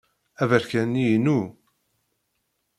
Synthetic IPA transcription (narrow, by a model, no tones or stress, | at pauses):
ævəɾkænːijnu